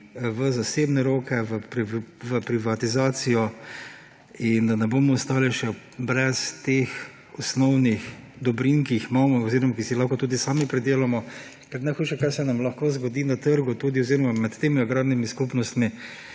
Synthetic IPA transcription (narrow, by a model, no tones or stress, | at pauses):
ʋəzaseːbnɛɾoːkɛʋəpɾiʋəpɾiʋat̪izaːt̪sijɔ | ind̪anɛbomɔʊst̪aːliʃɛ | bɾɛst̪ex | ɔsnɔwnix | d̪ɔbɾiŋkiixmaːmɔɔziːɾɔmakisilaxkɔt̪uːd̪isaːmipɾɛd̪eːlamɔ | kɛɾnajxuːʃɛkaɾsɛnamlɐxkoːzɡɔd̪inat̪əɾɡʊt̪uːd̪iɔziɾɔmamɛt̪ːeːmiaɡɾaːd̪nimiskupnɔst̪mi